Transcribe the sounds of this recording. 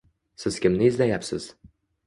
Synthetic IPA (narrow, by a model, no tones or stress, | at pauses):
sɪz̥kʲɪmnɪɪzlajapsɪ̰z̥